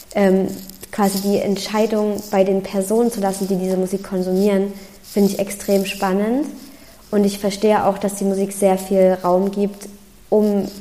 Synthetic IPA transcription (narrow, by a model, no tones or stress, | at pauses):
ʔɛːmkʰv̥aːzidiːʔɛ̰ntʃaɪdʊŋb̥aɪdeːnpʰɛɐzoːnənt͡sulasn̩diːdiːzəmuziːkʰːɔnzumiːʁən | fɪndəɪçɛkstʁ̥eːmʃpanənt | ʔʊntɪçfɛɐʃteːəʔa̰ʊxd̥asd̥iːmuziːkz̥eːɐfiːlʁaʊmɡiːpt | ʔʊm